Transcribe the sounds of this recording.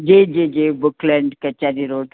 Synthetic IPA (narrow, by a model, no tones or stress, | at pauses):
d͡ʒed͡ʒed͡ʒebuklɛɳɖkət͡ʃːad̪iɾoʈ